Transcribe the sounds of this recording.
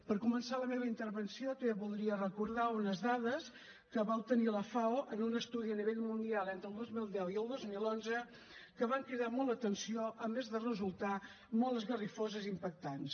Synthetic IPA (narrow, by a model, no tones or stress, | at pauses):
pəɾkumənsaləmeβəint̪əɾβənsiot̪eβulˠd̪ɾiərəkuɾðaunəzðaðəs | kəβalˠt̪əniləfawənunəst̪uðiəniβ̞eʎmund̪ialˠent̪ɾəlˠd̪ozmilˠd̪ɛwiəlˠd̪ozmilˠonzə | kəβaŋkɾiðamɔlˠət̪ənsioʔəmezðərəzulˠt̪a | mɔləzɣərifozəzimpək̚t̪ans